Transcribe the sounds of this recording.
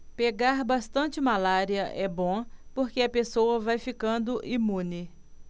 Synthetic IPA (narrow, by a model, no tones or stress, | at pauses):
peɡaɾbast̪ɐ̃t͡ʃɪmalaɾiɐʔɛbõpoɾkeɐpesowɐvajfikɐ̃nd̪ʊʔimũnɪ